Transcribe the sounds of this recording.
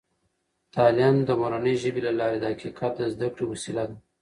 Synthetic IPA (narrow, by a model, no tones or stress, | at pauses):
t̪ɑljɑnd̪əmoɾanəjʒəbelalɑɾed̪əhakikʰɑt̪̚d̪əzd̪akɽewasilad̪